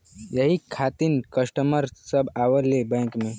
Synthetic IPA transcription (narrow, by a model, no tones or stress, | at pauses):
jəɦikʰat̪inkəsʈəməɾsəbʱaʋəlːebɛ̃kmẽ